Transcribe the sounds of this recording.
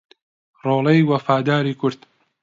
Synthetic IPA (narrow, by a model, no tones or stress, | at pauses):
roːlˠejwɐfaːd̪aːɾiːkʰʊɾd̪̥